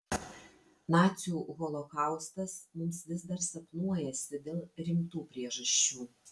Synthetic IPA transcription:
nɑːt̪sʲuːɣɔlˠɔkɑˑʊst̪ɐsmʊmsʋʲɪzd̪ɐɾsɐpnuɔjɛsʲɪd̪ʲeːlˠɾʲɪmt̪uːpʲɾʲiɛʒɐʃʲt͡ʃʲuː

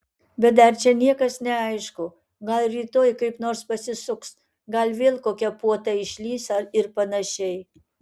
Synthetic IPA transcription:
bʲɛt̪̚d̪ɐɾt͡ʃʲɛnʲiɛkɐsnʲɛɐɪʃkʊ | ɡɐlʲˠɾʲiːt̪oːjkɐɪpnoːɾspɐsʲɪsʊks | ɡɐlʲʋʲeːlˠkoːkʲɛpuɔt̪ɐɪʃʲlʲiːsɐɾɪɾpɐnɐʃʲɛɪ

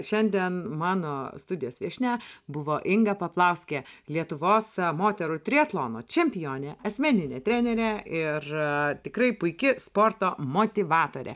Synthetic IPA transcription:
ʃʲɛnʲd̪ʲiɛnmɑːnoːst̪ʊd̪ʲɪjoːsʋʲiɛʃʲnʲæbʊʋoːʔɪŋɡɐpɐplˠɐʊsʲkʲe | lʲiɛt̪ʊʋoːsmoːt̪ʲɛɾʊt̪ʲɾʲiɐt̪lˠoːno̰ːt͡ʃʲɛmʲpʲɪjoːnʲɛɐsʲmʲænʲɪnʲeːt̪ʲɾʲæːnʲɛɾʲɛʔɪrt̪ʲɪkɾɐɪpʊɪkʲɪspoːrt̪oːmoːt̪ʲɪʋɑːt̪oːɾʲɛ̰

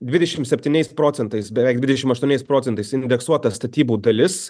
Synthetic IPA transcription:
d̪ʲʋʲɪd̪ʲɛʃʲɪmsʲɛpʲt̪ʲiːnʲɛɪspɾoːt̪sʲɛnt̪ɐɪsbʲɛʋʲɛɪk̚d̪ʲʋʲɪd̪ʲɛʃʲɪmɐʃt̪uɔnʲɛɪspɾoːt͡sʲɛnt̪ɐɪsɪnʲd̪ʲɛksuɔt̪ɐst̪ɐt̪ʲiːbuːd̪ɐlʲɪs

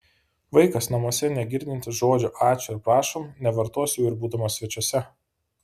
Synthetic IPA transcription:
ʋɐɪkɐsnɐmoɔsʲɛnʲɛɡʲɪɾʲd̪ʲɪnʲt̪ʲɪʒoːd͡ʒʲʊʔɑːt͡ʃʲʊɪɾpɾɑːʃomnʲɛʋɐɾt̪uɔsʲjuːɪɾbuːd̪ɐmɐsʲʋʲɛt͡ʃʲuɔsʲɛ

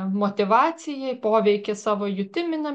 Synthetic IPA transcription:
moːt̪ʲɪʋɑːsʲɪjɛpoːʋʲɛɪkʲesɑːʋoːjʊt̪ʲɪmʲɪnɐ

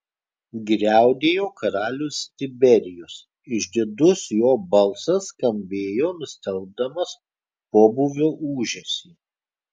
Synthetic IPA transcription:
ɡɾʲæˑʊd̪ʲeːjoːkʰɐɾɑːlʲʊːst̪ʲɪbʲɛɾʲɪjʊs | ɪʒʲd̪ʲɪd̪ʊsjoːbɐlˠˑsɐskɐmʲbʲeːjoːnʊsʲt̪ʲɛlˠb̚d̪ɐmɐs | poːbuʋʲoːʔuːʒʲɛsʲiː

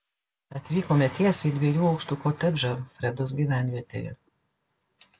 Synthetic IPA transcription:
ɐt̪ʲʋʲiːkomʲɛt̪ʲiɛsʲiːd̪ʲʋʲiɛjuːɒʊkʃt̪uːkoːt̪ʲɛd͡ʒɐfʲɾʲɛd̪oːsɡʲiːʋʲæːˑnʲʋʲiɛt̪ʲḛːjɛ̰

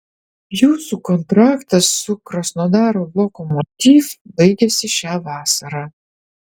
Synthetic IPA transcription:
juːsukɔnt̪ɾɑːkt̪ɐsːʊkɾɔsnɔd̪ɑːɾoblˠɔkɔmɔt̪ʲiːfbɐɪɡʲɛsʲɪʃʲæːʋɑːsɐɾɑ

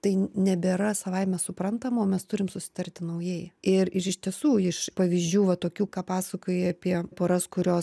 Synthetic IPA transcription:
t̪ɐɪnʲɛbʲeɾɐsɐʋɐɪmʲɛsʊpɾɐnt̪ɐmoːmʲɛst̪ʊɾʲɪmsʊsʲɪ̥t̪ɐrʲt̪ʲɪnɐʊjeːjɛɪrɪʃɪʃʲt̪ʲiɛsuːɪʃpɐʋʲiːzʲd͡ʒʲuːʋɐt̪oːkʲuːkɑːpɑːsɐkoːjɛɐpʲiɛpoːɾɐskʊɾʲoːs

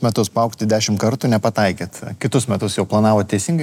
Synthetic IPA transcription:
mʲɛt̪ʊspɐʊkt̪ʲɪd̪ʲæːʃʲɪmtkɐɾt̪uːnʲɛpɐt̪ɐɪkʲeːt̪kʲɪt̪ʊsmʲɛt̪ʊsjɛʊplˠɐnɑːʋoːttʲɛɪsʲiŋɡɐɪ

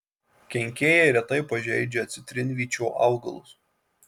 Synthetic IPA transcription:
kʲɛŋʲkʲeːjɛɪɾʲɛt̪ɐɪpɐʒʲɛɪd͡ʒʲɛɐt̪sʲɪt̪ʲɾʲɪnʲʋʲiːt͡ʃʲoːʔɑ̰ʊɡɐ̰lˠʊs

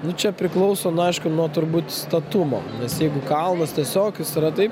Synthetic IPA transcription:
nʊt͡ʃʲɛpʲɾʲɪklˠɐʊsoːnʊɐɪʃkʊnuɔt̪ʊɾbuːt̪st̪ɐt̪ʊmo̰ːnʲɛsjɛɪɡʊkɐlˠnɐst̪ʲiɛsʲoːkʲʊsɪɾɐt̪ɐɪp

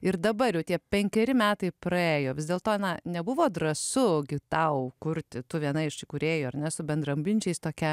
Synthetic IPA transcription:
ɪrd̪ɐbɐɾjɛʊt̪ʲiɛpʲɛŋʲkʲɛɾʲɪmʲæːt̪ɐɪprɐeːjoːʋʲɪzd̪ʲeːlˠt̪oːnɐnʲɛbʊʋoːd̪ɾɐsʊɡʲɪt̪ɐʊkʊɾʲt̪ʲɪt̪ʊʋʲiɛnɐɪɪʃsʲɪkʊɾʲeːjoːɐrnʲɛsʊbʲɛnd̪rɐmʲbʲɪnʲt͡ʃʲɛɪst̪oːkʲɛ

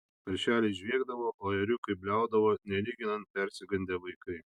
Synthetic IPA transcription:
pʲɐɾʲʃʲæːlʲɛʒʲʋʲiːɡd̪ɐʋoːʔoːɛɾʲʊkɐɪbʲlʲæˑʊd̪ɐʋoːnʲɛlʲiːɡʲɪnɐnt̪̚pʲɛɾʲsʲɪɡɐnʲd̪ʲɛʋɐɪkɐɪ

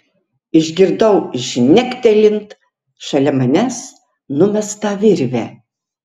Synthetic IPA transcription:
ɪʒʲɡʲɪɾd̪ɐʊɪʒnʲækʲt̪ʲɛlʲɪnt̪ | ʃɐlʲɛmɐnʲæs | nʊmʲɛst̪ɐʋʲɪɾʲʋʲæ

